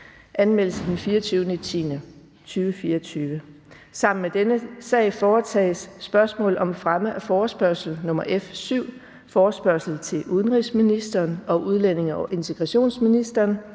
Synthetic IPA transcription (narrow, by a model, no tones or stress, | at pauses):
ʔænmel̰əsəd̥enfiːɐt͡sʰyːʊnət͡sʰḭːnə | t͡sʰyːʋəfiːɐt͡sʰyːʋə | sɑ̈m̰n̩med̥enəsɛ̰ːɪfɒːt͡sʰɛ̰ːsːb̥ɶɐsmɔ̰ːlɒ̽mfʁaməʔæfɒːsb̥ɶɐsl̩nɔ̽m̰ɐʔefsyʊ̰ | fɒːsb̥ɶɐsl̩t͡sʰe̝lʔuðˠnʁisminisd̥ɐːnɒ̽ʔuð̞ˠlen̰e̝ŋɐɒʔe̝nt͡sʰe̝ɡ̥ʁɑ̈ɕo̝̰ːnsminisd̥ɐːn